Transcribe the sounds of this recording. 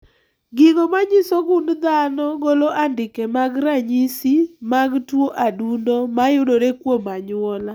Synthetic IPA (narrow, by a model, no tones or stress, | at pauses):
ɡɪŋomaɲɪsɔɡʊndd̪anɔɡoloʔandɪkɛmaɡɾaɲisimaɡtwoʔadundomajʊdoɾekwomaɲʊɔla